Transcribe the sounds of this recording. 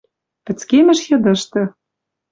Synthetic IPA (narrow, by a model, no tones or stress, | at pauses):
pɘ̆t͡skemɘ̆ʃjɤ̆d̪ɤ̆ʃt̪ɤ̆